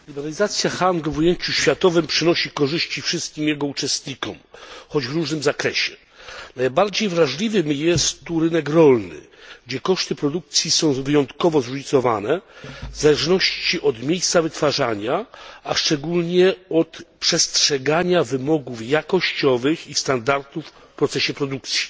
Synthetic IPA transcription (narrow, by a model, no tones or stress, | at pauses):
lʲibɛɾalʲizat̪sʲjaxanɡlvujeɲt͡ɕuɕfʲjat̪ɔvɘmpʂɘnɔɕikɔʐɘɕt͡ɕifʂɘst̪̚kʲimjɛɡɔut͡ʂɛst̪ɲikɔmxɔd͡ʑvɾuʐnɘmzakɾɛɕɛ | najbaɾd͡ʑejvɾaʐlʲivɘmjɛst̪ːuɾɘnɛkɾɔlnɘ̰ | ɡd͡ʑɛkɔʂt̪ɘpɾɔd̪uk̚t̪sʲjisɔ̃w̃vɘjɔnt̪kɔvɔzɾuɲit̪sɔva̰nɛzalɛʐnɔɕt͡ɕiʔɔd̪mʲjejst̪savɘt̪faʐaɲaaʂt͡ʂɛɡulɲɛɔt̪pʂɛstʂɛɡaɲavɘmɔɡufjakɔɕt͡ɕɔvɘxist̪and̪aɾt̪uf | pɾɔt̪sɛɕɛpɾɔd̪uk̚t̪sʲji̥